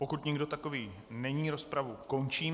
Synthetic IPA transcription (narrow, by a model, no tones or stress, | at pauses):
po̞kut̪ɲɪɡdo̞t̪ako̞viː | nɛɲiːɾo̞spɾavuko̞nt͡ʃiːm